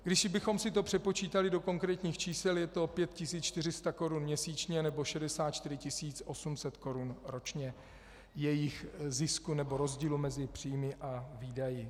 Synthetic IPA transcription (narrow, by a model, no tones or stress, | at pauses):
ɡdɪʃɪbɪxo̞msɪt̪o̞pr̥ɛpo̞t͡ʃiːt̪alɪdo̞ko̞ŋkɾɛːt̪ɲiːxt͡ʃiːsɛljɛt̪o̞pjɛt̪̚cɪsiːt͡st͡ʃt̪ɪr̝ɪst̪ako̞ɾunmɲɛsiːt͡ʃɲɛnɛbo̞ʃɛdɛsaːt̪t͡ʃt̪ɪɾɪcɪsiːt͡sʔo̞sumsɛt̪ko̞ɾunɾo̞t͡ʃɲɛ | jɛjɪxzɪskunɛbo̞ɾo̞zɟiːlumɛzɪpr̝̥iːjmɪʔaviːdajɪ